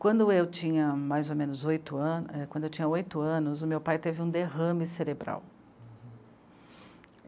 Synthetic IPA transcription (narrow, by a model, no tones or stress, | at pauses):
kwɐ̃nd̪ʊewt͡ʃĩɲɐmajzomẽnʊzojt̪ʊɐ̃nɛkwɐ̃d̪ʊewt͡ʃĩɲɐojt̪ʊɐ̃nʊzʊmewpajt̪evɪũd̪eɦɐ̃mɪseɾebɾa̰w